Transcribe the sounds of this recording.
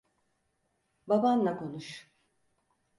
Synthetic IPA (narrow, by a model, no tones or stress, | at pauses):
babanlako̞nuʃ